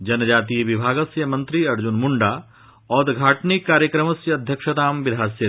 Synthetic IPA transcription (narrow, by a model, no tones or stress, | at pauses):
d͡ʒɐnɐd͡ʒaːt̪iːʋɪbʱaːɡɐsjɐmɐ̃nt̪ɾiɐɾd͡ʒunmuɳɖaː | ɔːd̪ɡʱaːʈnikːaːɾjəkɾɐmɐsjɐːd̪ʱjɐkʃɐt̪aːmʋɪd̪ʱaːsjɐ